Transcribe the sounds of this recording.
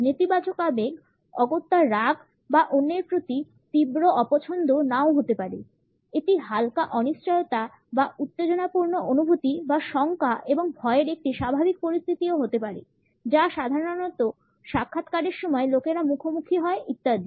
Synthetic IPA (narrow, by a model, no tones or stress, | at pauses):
net̪ibat͡ɕokabeɡ | ɔɡot̪ːaɾaɡ | baʔonːeɾpɾot̪i | t̪ibɾoʔɔpot͡ɕʰond̪ʱonaoɦot̪epaɾe | eʈiɦalkaʔɔniʃt͡ɕajot̪a | baut̪ːed͡ʑonapuɾnoʔonubʱut̪ibaʃɔŋkaʔeboŋbʱɔeeɾek̚ʈiʃabʱabik̚poɾist̪ʰit̪ioɦot̪epaɾḛ | d͡ʑaʃad̪ʱaɾoonɔt̪o | ʃakʰːat̪kaɾeɾʃɔmɔelokeɾamukʰomukʰiɦɔeʔit̪ːad̪i